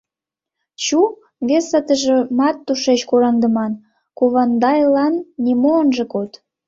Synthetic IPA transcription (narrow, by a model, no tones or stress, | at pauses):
t͡ɕu | βesət̪əʒĕmɑt̪ːuʃet͡ɕkoɾɑŋd̪ə̆mɑn | koβɑnd̪ɑjlɑnːimoənʒĕkot̪